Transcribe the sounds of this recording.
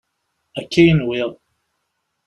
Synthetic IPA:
ækʰːijənwɪðˤ

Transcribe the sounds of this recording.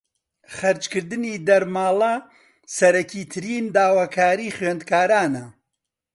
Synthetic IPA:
χɐɾt͡ʃkɨɾd̪ɨniːd̪ɐɾmaːlˠɐ | sɐɾɐkʰiːt̪ʰɨɾiːnd̪aːwaːkʰaːɾiːχɥeːnd̪kaːɾaːnɐ

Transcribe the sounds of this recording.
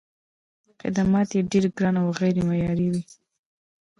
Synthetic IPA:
xɪ̰d̪amɑt̪jeɖeɾɡɾɑnawɣajɾemajɑɾiwi

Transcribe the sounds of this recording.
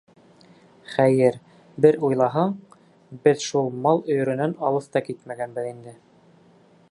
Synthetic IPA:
χæjɘɾ | bɘɾujlˠɑɦɑɴ | bɘðʃulˠmɑlˠɵ̆jɵ̆ɾɵ̆nænɑlˠɤθt̪ɑkit̪mæɡænbɘ̆ðind̪ɘ

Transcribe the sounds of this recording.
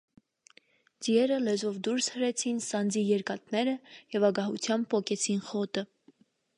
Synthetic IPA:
d͡ziɛɾəlɛzɔvd̪uɾshəɾɛt͡sʰinsɑnd͡zijɛɾkɑt̪̚nɛɾəjɛvɑɡɑɦut͡sʰjɑmb̚pɔkɛt͡sʰinχɔt̪ə

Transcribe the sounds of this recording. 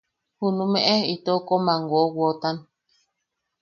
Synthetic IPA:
hunumɛʔɛitɔkɔmaŋɡwɔwɔtan

